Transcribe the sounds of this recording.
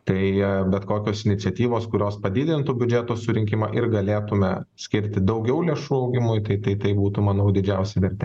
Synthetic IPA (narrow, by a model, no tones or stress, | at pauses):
t̪ɐɪbʲɛt̪koːkʲoːsɪnʲɪtt͡s̪ʲɛt̪ʲiːʋoːskʊɾʲoːspɐd̪ʲiːd̪ʲɪnt̪ubʲʊd͡ʒʲɛt̪oːsʊɾʲɪŋʲkʲɪmɑ̰ʔɪɾɡɐlʲeːt̪ʊmʲɛsʲkʲɪɾʲt̪ʲɪd̪ɐʊɡʲɛʊlʲeɛʃuːɐʊɡʲɪmʊjt̪ɐɪt̪ɐɪt̪ɐɪbuːt̪ʊmɐnɐʊd̪ʲɪd͡ʒʲɛʊsʲɛʋʲɛɾʲt̪ʲɛ